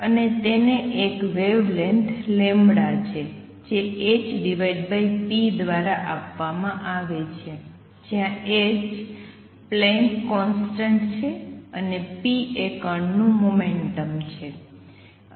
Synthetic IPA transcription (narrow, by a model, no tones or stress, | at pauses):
ənet̪eneʔekʋeʋleɳʈlembɽat͡ʃʰe | d͡ʒeet͡ʃɖiʋajɖbaipid̪ʋaɾaʔapʋamãʔaʋet͡ʃʰe | d͡ʒjãet͡ʃ | plɛŋkːɔnsʈəɳʈt͡ʃʰeənepiekənnũmomeɳʈəmt͡ʃʰe